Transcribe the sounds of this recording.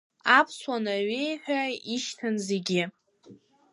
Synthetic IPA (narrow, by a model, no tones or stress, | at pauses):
apʰswanaɥejħʷᶣaiʃtʰanzeɡʲɪ